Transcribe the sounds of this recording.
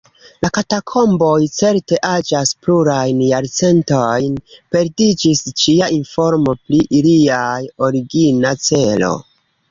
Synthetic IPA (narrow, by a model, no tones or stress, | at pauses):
lakatakʰo̞mbo̞jt͡se̞ɾte̞ʔad͡ʒaspluɾajnjaɾt͡se̞ntojnpe̞ɾdid͡ʒist͡ʃiainfo̞ɾmo̞pɾiʔiliajo̞ɾiɡinat͡se̞lo̞̰